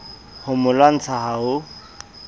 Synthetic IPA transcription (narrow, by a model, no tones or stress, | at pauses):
hʊmʊlwan̩t͡sʰaɦaɦʊ